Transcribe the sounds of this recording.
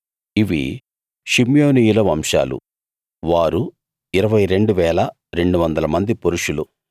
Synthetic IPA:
iʋḭ | ʃimjoːniːjulɐʋɐmʂa̰ːlṵ | ʋaːɾu | iɾɐʋɐjɾe̞ɳɖuʋɛːlɐ | ɾe̞ɳɖuʋɐnd̪ɐlɐmɐnd̪ipoɾuʂulu

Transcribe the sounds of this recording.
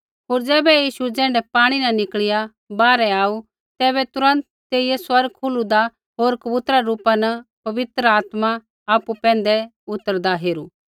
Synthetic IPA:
ɦoːɾd͡zɛːbɛjiːʃud͡zɛ̃ːɳɖɛpaːɽ̃inɐnɪkɭɪja | baːɾɛaːu | t̪ɛːβɛt̪ʊɾə̃nt̪ːeːijɛswɐɾɡ̚kʰʊlud̪a | ɦoːɾkɐbʊt̪ɾaɾuːpanɐpɐʋɪt̪ɾəaːt̪ma | aːpupɛ̃ːnd̪ɛ | ʊt̪ːəɾd̪aɦeːɾu

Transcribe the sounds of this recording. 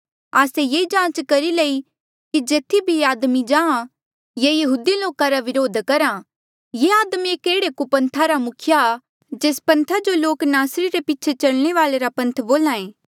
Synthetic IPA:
aːsejeːd͡ʒãːt͡ʃkɐɾilei | kid͡ʒeːt̪ʰːibʱiaːd̪mid͡ʒãːã | jejɐɦuːd̪iloːkaɾaʋɪɾoːd̪ʱkɐɾa | jeaːd̪mieːkeːɽekupɐ̃nt̪ʰaɾamʊkʰja | d͡ʒeːspɐ̃nt̪ʰad͡ʒoloːknaːsɾiɾepɪːt͡ʃʰet͡ʃɐɭɽ̃eʋaːleɾapɐ̃nt̪ʰboːlãːẽː

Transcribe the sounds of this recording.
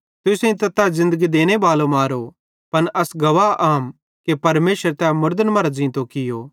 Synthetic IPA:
t̪ʊsẽĩt̪ɐt̪azɪ̃nd̪əɡid̪eːñebaːlomaːɾo | pɐnʔɐsɡɐʋaʔaːm | kepɐɾmeːʃəɾt̪ɛmʊɾd̪ənmɐɾd͡ʒĩt̪okɪjoː

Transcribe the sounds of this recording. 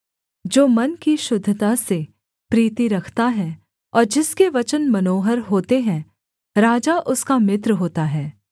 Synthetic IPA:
d͡ʒoːmɐnkiʃʊd̪ʱːt̪ase | pɾiːt̪iɾɐkʰt̪aɦɛː | ɔːɾd͡ʒɪskeʋɐt͡ʃənmɐnoːɦəɾɦoːt̪eɦɛ̃ | ɾaːd͡ʒaʔʊskamɪt̪̬ɾɦoːt̪aɦɛː

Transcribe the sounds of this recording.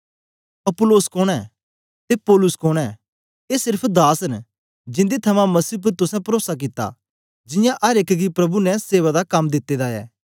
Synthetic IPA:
ɐpʊloːskoːɽ̃ɛ | t̪epoːlʊskoːɽ̃ɛː | eːsɪɾpʰd̪aːsən | d͡ʒɪ̃nd̪et̪ʰɐmãmɐsiːp̬ʊɾt̪ʊsɛ̃pɐɾoːsak̬ɪt̪ːa̰ | d͡ʒɪ̃jãʔɐɾekɡipɾɐbunɛ̃seːʋad̪akɐmːd̪ɪt̪ːeːd̪aɛ̰ː

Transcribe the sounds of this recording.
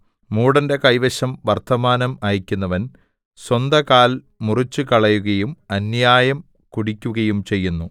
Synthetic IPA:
muːɽɐnde̞kɐjʋɐɕɐmʋɐrt̪ʰɐmaːnɐmaːjikʲːunːɐʋɐn | swɐnd̪ɐkaːl | murit͡ɕːɨkɐɭɐjuɣɐjumɐnjaːjɐm | kuɽikʲːuɣɐjumt͡ɕe̞jːunːu

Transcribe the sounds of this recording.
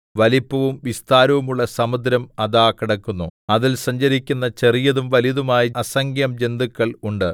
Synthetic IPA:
ʋɐlipːɐʋumʋist̪aːɾɐʋumuɭːɐsɐmud̪ʱɾɐmɐðaːkːiɽɐkːunːuɐðilsɐɲd͡ʑɐɾikʲːunːɐt͡ɕe̞rijɐðumʋɐliðumaːjiɐsɐŋɡjɐmd͡ʑe̞nd̪ukːɐɭuɳɖɨ

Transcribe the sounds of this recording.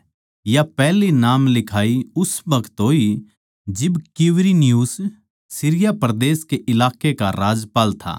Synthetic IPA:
japɛːlinaːmlɪkʰaːiʊsbɐkʰət̪ɦoːi | d͡ʒɪbkɪʋɾinjuːs | sɪɾɪjapɾɐd̪eːskeʔɪlaːkekaɾaːd͡ʒpaːlt̪ʰa̰ː

